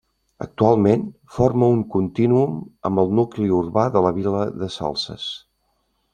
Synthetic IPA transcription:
ə̰k̚t̪ualˠmen | forməuŋkunt̪inuumə̰mbəlˠnukliurβaðələβiləðəsa̰lˠsə̰s

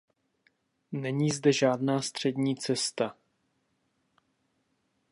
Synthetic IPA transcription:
nɛɲiːzdɛʒaːdnaːst̪r̝̥ɛdɲiːt͡sɛst̪a

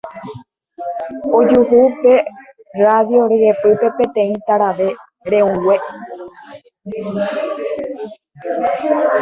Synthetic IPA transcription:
od͡ʒuɦupe̞ | raðjo̞ɾɨɾepɨpe̞pẽt̪ẽ̞ĩt̪aɾaʋe̞ | ɾẽũwe

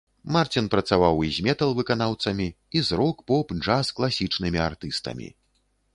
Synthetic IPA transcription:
mart͡sʲinpɾɐt̪savawizʲmʲɛt̪ɐlˠvɨkanawt̪sɐmʲi | izɾɔkpɔpʐasklˠasʲit͡ʂnɨmʲiart̪ɨst̪ɐ̰mʲḭ

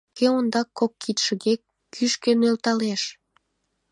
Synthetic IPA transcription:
keond̪ɑkːokːit̪ʃə̆ɣekː | yʃkenølt̪ɑleʃ

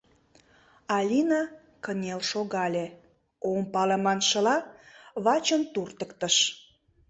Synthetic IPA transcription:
ɑlʲinɑ | kənʲelʃoɣɑlʲe | ompɑləmɑnʃə̆lɑβɑt͡ɕənt̪urt̪əkt̪əʃ

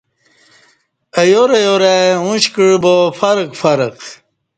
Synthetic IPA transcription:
ɐjoɾɐjoɾeũɕkiɻbofɐɾkfɐɾəq

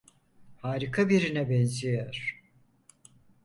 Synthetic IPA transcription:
haːɾikʰabiɾinɛbɛnzijæɾ̥

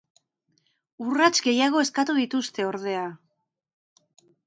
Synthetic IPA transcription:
urat͡ʃɡe̞jaɣ̞o̞e̞skat̪uðit̪ust̪e̞o̞ɾð̞e̞a

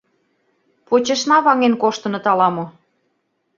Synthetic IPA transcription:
pot͡ɕə̆ʃnɑβɑŋenkoʃt̪ɤ̆nɤ̆t̪ɑlɑmo

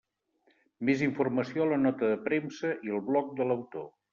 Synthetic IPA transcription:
meziɱfurməsioələnɔt̪əðəpɾemsəʔiəlˠβlɔk̚d̪ələwt̪o

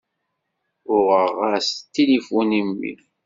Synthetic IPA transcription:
ʊʁəʁæst̪ːilifunimːḭl

